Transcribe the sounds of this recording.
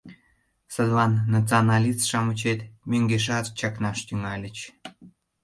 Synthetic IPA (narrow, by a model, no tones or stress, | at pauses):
səd̪lɑnːɑt͡sɨonɑlʲist̪ʃɑmət͡ɕet̪mʲøŋɡeʃ̬ɑt̪t͡ɕɑknɑʃt̪yŋɑlʲət͡ɕ